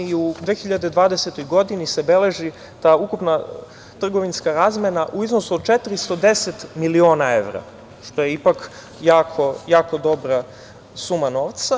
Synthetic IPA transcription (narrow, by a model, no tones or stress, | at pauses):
iud̪ʋeːxiʎad̪e̞d̪ʋaːd̪eset̪o̞jɡo̞d̪inisebele̞ʒi | t̪aːukupna | t̪r̩ɡo̞ʋinskaɾaːzmenaʔuizno̞suod̪̚t͡ʃet̪ɾist̪o̞d̪e̞set̪milio̞ːnae̞̰ʋɾa̰ | ʂt̪o̞jeipak | jaːkʰo̞jaːko̞d̪o̞bɾa | sumano̞ːʋt̪sa